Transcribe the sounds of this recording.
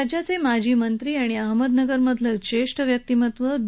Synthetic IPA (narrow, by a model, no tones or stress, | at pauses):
d͡ʑjat͡semad͡ʑʱiːmənt̪ɾiːaɽ̃iaɦməd̪nəɡəɾməd̪ʱlət͡ɕeʂʈəʋjək̚t̪imət̪ʋəb